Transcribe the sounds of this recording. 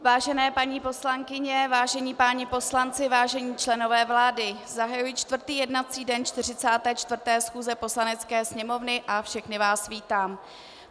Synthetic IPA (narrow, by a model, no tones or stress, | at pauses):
vaːʒɛnɛːpaɲiːpo̞slaŋkɪɲɛvaːʒɛɲiːpaːɲɪpo̞slant͡sɪvaːʒɛɲiːt͡ʃlɛno̞vɛːvlaːdɪzaɦajujiːt͡ʃt̪vr̩t̪iːjɛdnat͡siːdɛnt͡ʃt̪ɪr̝ɪt͡saːt̪ɛːt͡ʃt̪vrt̪ɛːsxuːzɛpo̞slanɛt͡skɛːsɲɛmo̞vnɪʔafʃɛxnɪvaːsviːt̪aːm